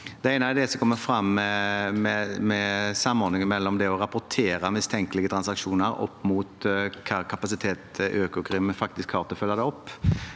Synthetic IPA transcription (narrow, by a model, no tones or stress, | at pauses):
d̪ɛæɪnɑɛɾd̪ɛsɔmkʰɔmːəfɾɑmːɛmɛmɛsɑmːɔɾd̪nɪŋənmɛlːɔmd̪ɛɔɾɑpʊɾt̪ʰeːɾɑmɪst̪ʰɛŋkəlɪɡət̪ʰɾɑnsɑkʂuːnəɾɔ̰pːmuːt̪kʰɑɾkʰɑpɑsɪt̪ʰeːt̪ʔøːkʊɡɾɪməfɑk̚t̪ɪskʰɑːʁt̪əfœlːɑd̪ɛɔpː